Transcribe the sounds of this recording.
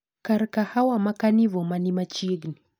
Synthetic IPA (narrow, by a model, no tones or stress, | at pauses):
kaɾkahawamakanivɔmanimat͡ʃiɡni